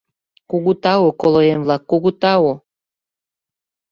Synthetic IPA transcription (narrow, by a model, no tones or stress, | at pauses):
kuɣut̪ɑokolojenβlɑkːuɣut̪ɑwo